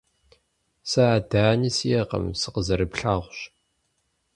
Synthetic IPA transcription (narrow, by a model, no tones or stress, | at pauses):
sɨaːdaːnisijɛqɐ̰msɨqəzɐɾɨpɬaːʁʷɕ